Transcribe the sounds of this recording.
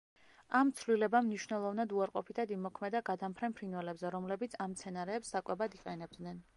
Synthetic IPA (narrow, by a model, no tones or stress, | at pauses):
amt̪sʰvlilɛbamniʃvnɛlˠɔvnad̪uaɾqʼɔpʰit̪ʰad̪imɔkʰmɛd̪aɡad̪ampʰɾɛnpʰɾinwɛlɛbzɛɾɔmlɛbit̪sʰamt̪sʰɛnaɾɛːpsːakʼwɛbad̪iqʼɛnɛb̚d̪nɛn